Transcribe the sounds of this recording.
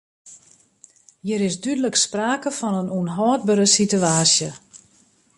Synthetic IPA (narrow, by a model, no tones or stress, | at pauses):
jiɾɪsdydələkspraːkəfɔnənunɦɔːt̚bəɾəsityaːsjə